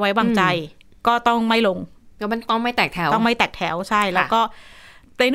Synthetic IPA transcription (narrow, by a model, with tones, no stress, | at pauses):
wa˦˥jwaː˧ŋt͡ɕa˧j | kɔː˥˩t̪ɔ˥˩ŋma˥˩jlo˧ŋka˧˩ma˧˥˩nt̪ɔ˥˩ŋma˥˩jt̪ɛː˨˩k̚t̪ʰɛ˩˦w̪ɔ˥˩ŋma˥˩jt̪ɛː˨˩k̚t̪ʰɛ˩˦wt͡ɕʰa˥˩jlɛː˦˥˧wkɔː˥˩na˧jn˥